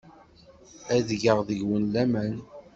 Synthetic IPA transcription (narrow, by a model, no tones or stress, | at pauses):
æðʝəʁðəʝwənlæmæn